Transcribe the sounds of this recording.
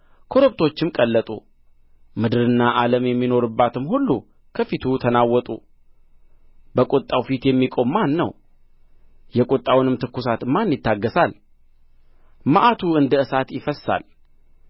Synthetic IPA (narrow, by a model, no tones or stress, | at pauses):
kʰo̞ɾopt̪ʰo̞t͡ʃːɪmkʼəlːət̪ʼṵ | mɨd̪ɨɾɨnːaʔaləmjɛmːino̞ɾɨbːat̪ʰɨmhulːṵ | kʰəfit̪ʰut̪ʰənawːɔt̪ʼṵ | bəkʼot̪ʼːawfit̪jɛmːikʼo̞mːanːəw | jɛkʼot̪ʼːawnɨmt̪ʰɨkːusat̪ɨmanːjɪt̪ːaɡːəsal | maʔat̪ʰuɨnd̪əɨsat̪jɪfəsa̰l